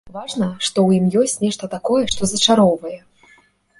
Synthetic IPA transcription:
vaʐnɐʂt̪ɔwjimjɔsʲt͡sʲnʲɛʂt̪ɐt̪akɔjɛʂt̪ɔzɐt͡ʂaɾɔwvɐjɛ

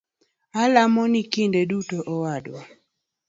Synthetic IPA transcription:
alamɔnikindedutoʔɔwadwɔ

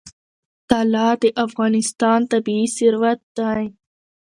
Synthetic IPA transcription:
t̪aːlaːd̪eʔafɣɑːnɪst̪ɑːnt̪abiːsiɾwɐt̪̚d̪aj̃

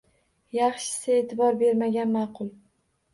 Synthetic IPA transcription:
jɑχʃɪ̥sɪe̞ːt̪ʰɪbɒɾbe̞ɾmaɡʲanmɑqʰʊlˠ

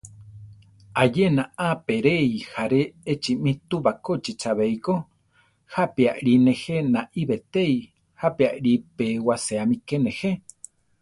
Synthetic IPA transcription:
ajenaapeɾeihaɾeːt͡ʃimĩt̪uβakot͡ʃit͡ʃaβejko | hapeaʔɺinẽhenaʔiβet̪ei | hapeaʔɾipewaseamikenẽhe

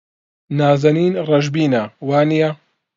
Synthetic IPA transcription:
naːzɐniːnrɐʒbiːnɐwaːnijɐ

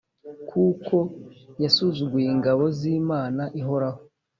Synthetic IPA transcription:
kʰuːko̞jasuzuɡujeŋɡaβo̞ziːmaːnaʔiɦo̞ɾaho

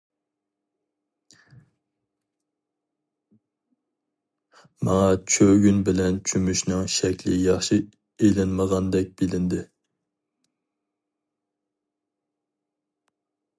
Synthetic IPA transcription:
mɑŋɑt͡ʃʰøɡʲynbɪlɛnt͡ʃʰymyʃnɨŋʃɛkʲlɪjɑχʃi | elɪnməʁɑnd̪ɛk̚ʲb̥ɪlɪnd̪ɪ

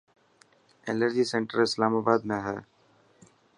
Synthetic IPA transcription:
enəɾd͡ʒiːsẽɳʈəɾɪslaːmaːbaːd̪mẽɦɛː

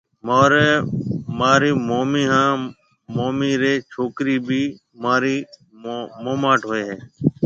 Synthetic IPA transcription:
moːɾeːmaːɾiːmoːmiːɦãː | moːmiːɾeːt͡ʃʰoːkɾiːbʱiː | maːɾiː | moːmaːʈɦoeːɦɛː

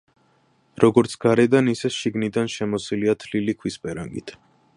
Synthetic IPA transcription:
ɾɔɡɔɾt̪sʰɡ̥aɾɛd̪anisɛʃiɡnid̪anʃɛmɔsiliat̪ʰlilikʰwispʼɛɾa̰ŋɡḭt̪ʰ

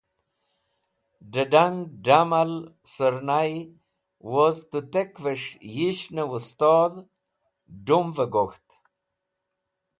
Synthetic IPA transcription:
ɖəɖaŋɡɖamalsəɾnaj | wozt̪ut̪ekvəʂjiɕnəust̪oːd̪ | ɖumvəɡoxt̪

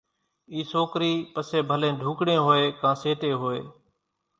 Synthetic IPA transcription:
iːsoːkɾiːpəseːbʱəlẽːɖʱũːkɽẽːɦoːeːkãːseːʈeːɦoːḛː

